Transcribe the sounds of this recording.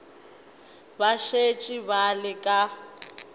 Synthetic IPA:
baʃet͡ʃʼiβalɪkʼa

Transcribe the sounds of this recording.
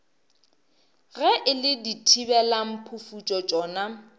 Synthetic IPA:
ɣɛʔɪlɪditʰibɛlam̩pʰufut͡ʃʼɔt͡ʃʼɔːna

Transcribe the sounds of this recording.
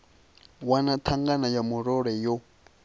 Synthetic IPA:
wanat̪ʰaŋɡanajamuɾoɾejo

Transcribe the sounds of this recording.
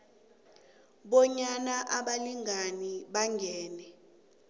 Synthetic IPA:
ɓɔɲanaʔaɓaliŋaniɓaŋʱɛːnɛ

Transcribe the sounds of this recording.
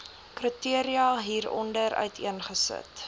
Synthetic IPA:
krətiəɾiɑːɦiːɾɔ̰ndəɾœ̰ɥtʰḭənχəsə̰t

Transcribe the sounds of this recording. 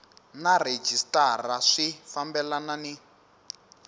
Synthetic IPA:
nared͡ʒistaraʂifambɛlanani

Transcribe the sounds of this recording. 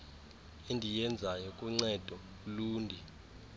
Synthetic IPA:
endʱijɛnd͡zʱajɔkʼuŋ͡ǀɛd̥ʱɔ | luːndʱi

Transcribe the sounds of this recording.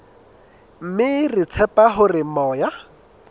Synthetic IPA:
m̩mɪrɪt͡sʰɛpaɦʊrɪmɔːja

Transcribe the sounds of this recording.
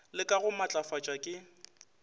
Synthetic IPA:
lɪkʼaɣʊmat͡ɬʼafat͡ʃʼakʼɪ

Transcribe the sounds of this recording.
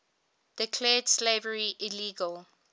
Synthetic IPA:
d̥ɪkʰlɛːd̥slevəɹiʔiliːɡəl

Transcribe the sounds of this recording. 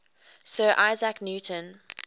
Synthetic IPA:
sɜːʔaɪzaknjuːtʰə̃n

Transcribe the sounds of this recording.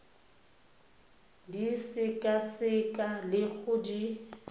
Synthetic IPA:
disɪkʼasɪkʼalɪk͡xʰʊdi

